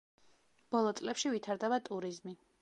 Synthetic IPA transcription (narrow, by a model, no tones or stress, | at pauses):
b̥ɔlˠɔt̪sʼlɛpʃivit̪ʰaɾd̪ɛbat̪ʼuɾizmi